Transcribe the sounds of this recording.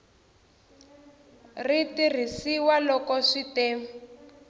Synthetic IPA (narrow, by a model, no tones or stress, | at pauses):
ritir̤isiwalɔkɔʂiteːm